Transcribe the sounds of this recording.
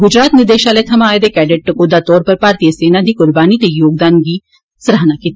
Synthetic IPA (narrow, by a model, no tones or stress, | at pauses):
ɡʊd͡ʒɾaːt̪nɪɾd̪eːʃaːlet̪ʰɐmaːed̪eːkɛːɖeʈ̚ʈəkoːd̪at̪ɔːɾpəɾpaːɾt̪ijəseːnad̪iːkʊɾbaːnit̪ejoːɡ̚d̪aːnɡi | sɾaɦnakiːt̪